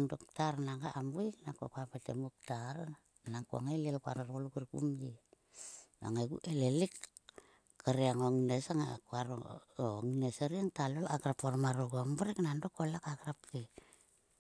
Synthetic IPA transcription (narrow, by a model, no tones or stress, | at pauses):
andok̚taɾnaŋɡaʔambuiknakokuapetḛmuk̚taɾ | nakoa̰ŋajlielkua̰ɾoɾolukiɾkṵmdi | na̰ŋajɡṵʔelelik | kʰːaɾeaŋoŋinesaŋa̰kuaɾo̰oŋineseɾiaŋtalolaɡɾapoɾmaɾuɡombaɾiknandokolakaɡɾapti